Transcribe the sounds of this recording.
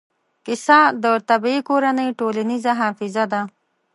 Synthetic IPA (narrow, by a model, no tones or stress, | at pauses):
kɪsad̪ət̪abiikoɾanəjʈolanizaɦɑfɪzad̪a